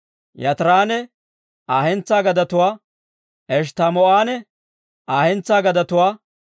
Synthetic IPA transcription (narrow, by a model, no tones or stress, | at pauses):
jɐt̪ɾaːnɛ | ʔaːhɛnt͡sːaːɡɐd̪ɐt̪ʊwaː | ʔɛʃ̬t̪ɐmɔaːnɛ | aːhɛnt͡sːaːɡɐd̪ɐt̪ʊwaː